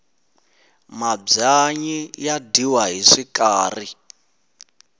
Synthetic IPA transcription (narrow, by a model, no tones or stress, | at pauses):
mab͡ʐaɲijadiwaɦiʂikaːri